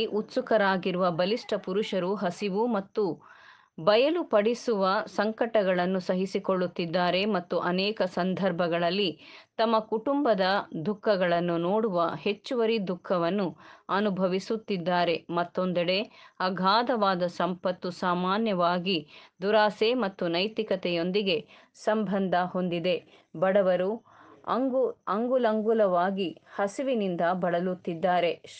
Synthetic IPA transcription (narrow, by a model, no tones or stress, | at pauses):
ʔut̪sukɐɾaːɡiɾuʋɐbɐliʂʈɐpuɾuʂɐɾuɦɐsiʋumɐt̪ːu | bɐjɐlupɐɽisuʋɐsɐŋkɐʈɐɡɐɭɐnːusɐɦisikoɭːut̪ːid̪ːaːɾe̞mɐt̪ːuʔɐnɛːkɐsɐnd̪ʱɐɾbʱɐɡɐɭɐlːit̪ɐmːɐkuʈumbɐd̪ɐd̪ʱukʰːɐɡɐɭɐnːunoːɽuʋɐɦe̞t͡ʃːuʋɐɾid̪ʱukʰːɐʋɐnːuɐnubʱɐʋisut̪ːid̪ːaːɾe̞mɐt̪ːond̪ɐɽe̞ɐɡʱaːd̪ɐʋaːd̪ɐsɐmpɐt̪ːusaːmaːnjɐʋaːɡid̪uɾaːsemɐt̪ːunɐjt̪ikɐt̪ɛjo̞nd̪iɡe̞ | sɐmbʱɐnd̪ʱɐho̞nd̪id̪e̞ | bɐɽɐʋɐɾu | ɐ̰ɡɐŋɡulɐŋɡulɐʋaːɡihɐsiʋinind̪ɐbɐɽɐlut̪ːid̪ːaːɾe̞